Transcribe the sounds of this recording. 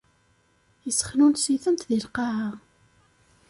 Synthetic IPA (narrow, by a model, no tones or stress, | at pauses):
jəsə̥χnunsiθəmt̪ðilqɑha